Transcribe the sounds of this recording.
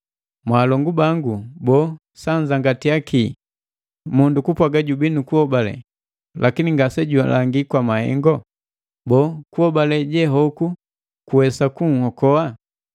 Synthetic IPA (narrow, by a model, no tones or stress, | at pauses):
mwaːlɔŋɡubaŋɡubɔ | saɲd͡ʒaŋɡatijaki | mundukupwaɡaɟubinukuhɔbalɛ̰ | lʔakiniŋɡasɛɟua̰la̰ŋɡikwamahɛ̰ŋɡɔ | bɔkuhɔbalɛɟɛɦɔku | kuwɛsakuŋ̩hɔkɔa